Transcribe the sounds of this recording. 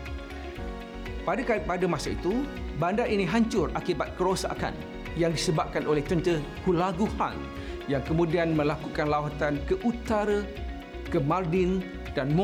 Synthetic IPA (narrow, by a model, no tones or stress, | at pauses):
padəkapadəmãsaḭt̪ubandaʔinĩɦaɲt͡ʃʊrakibat̪̚kəɾosa̰ka̰n | jaŋdisəbap̚kanolɛht͡ʃənt̪ə | hulaɡuha̰n | jaŋkəmũdianmə̃lakukanlawat̪ankəʔut̪aɾə | kəmardin | danm